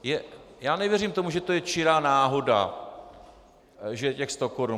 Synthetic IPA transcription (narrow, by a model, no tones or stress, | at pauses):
jɛjaːnɛvjɛrimt̪o̞muʒɛt̪o̞jɛt͡ʃɪɾaːnaːɦo̞da̰ | ʒɛcɛxst̪o̞koɾu